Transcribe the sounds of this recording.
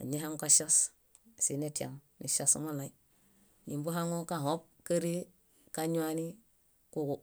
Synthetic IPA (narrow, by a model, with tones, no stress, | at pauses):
a̰˨ɲe˦ɦe˦ŋ˦ka˦ʃo˦s | si˨ne˦ti˦a̰˨ŋnḭ˨ʃo˦smu˦la˨i˦ | ɲi˨mbu˦ɦa˦ŋo˦ka˦˨ɦo˦p̚kə˦ɾi˦ | ka˦ɲu˦a˦ni˦ | ku˦ɡu˨